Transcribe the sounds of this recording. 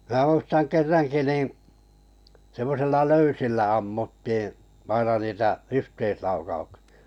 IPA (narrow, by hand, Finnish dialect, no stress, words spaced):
m̞æː muistɑŋ kerːɑŋki niˑ semːosilːɑ løysilːæ ɑmːutːiː ɑinɑ niːtæ yhteislɑukɑuksi̥ɑ̥